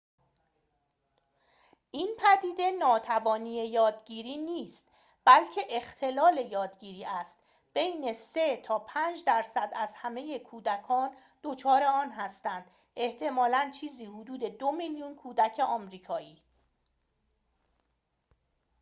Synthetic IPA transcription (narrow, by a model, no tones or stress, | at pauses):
ʔiːnpʰæd̪iːd̪e̞nɒːt̪ʰævɒːniːejɒːd̪ɟiːɾiːniːst̪ | b̥ælcʰe̞ʔext̪ʰe̞lɒːle̞jɒːd̪ɟiːɾiːæst̪ | b̥e̞jne̞se̞t̪ʰɒːpʰæːnd͡ʒd̪æɾsæd̪æzhæme̞je̞kʰuːd̪ækʰɒːn | d̪̥o̞t͡ʃʰɒːɾe̞ɒːnɦæst̪ænd̪̥ | ʔe̞ht̪ʰe̞mɒːlænt͡ʃʰiːziːhod̪uːd̪e̞d̪omiljunkʰuːd̪æcʰe̞ʔɒːmɾiːkʰɒːiː